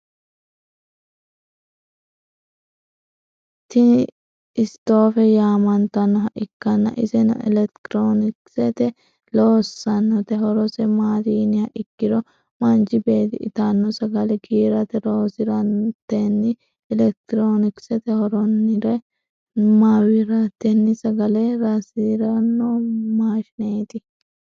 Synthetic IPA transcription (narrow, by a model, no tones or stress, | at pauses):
t̪ɪn | ɪst̪o̞ːfɛjaːmɐnt̪ɐnːɔɦɐʔɪkːɐnːɐ̰ʔɪsɛn̰ɛ̰lɛkt̪ɾoːnɪksɛt̪ɛ | loːsːɐnːɔt̪ɛɦɔɾɔsɛmaːɾiːnɪhɐʔɪkːɪɾɔ | mɐnt͡ʃɪbe̞ːt̪ɪʔɪ̰t̪anːɔsɐɡɐlɛɡiːɾɐt̪ɛɾoːsɪɾɐnt̪ːɛnːɪ | ɛlɛk̚t̪ɪɾoːnɪksɛt̪ɛhɔɾɔnːɪɾɛ | maːwɪɾɐt̪ːɛnːɪsɐɡɐlɛɾɐsɪɾɐnːɔmaːʃɪneːt̪ɪ